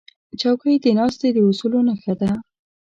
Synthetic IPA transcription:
t͡ʃɑwkəjd̪ənɑst̪ed̪əusulonəxad̪a

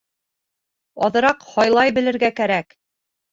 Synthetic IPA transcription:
ɒðɤ̆ɾɑqhɒjlˠɑjbɘ̆lɘ̆ɾɡækæɾæk

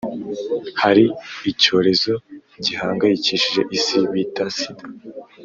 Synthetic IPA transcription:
haɾiːco̞ːɾe̞zo̞ɟihaːŋɡajiciʃiʒe̞̰ʔisiβitasida

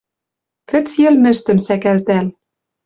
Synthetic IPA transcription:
kɘ̆t͡sjĕlmɘ̆ʃt̪ɘ̆msækælt̪æl

